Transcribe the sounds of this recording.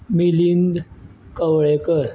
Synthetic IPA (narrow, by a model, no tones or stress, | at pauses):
milind̪kəwɭekəɾ